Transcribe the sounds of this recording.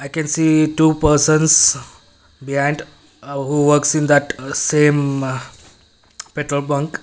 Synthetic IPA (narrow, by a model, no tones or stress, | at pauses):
ajkɛ̃nsiːʈuːpəɾsə̃ns | biɦãɪ̃ɳɖ | ɦuʋəɾksĩnd̪æʈsẽːm | peʈɾəlbə̃ŋk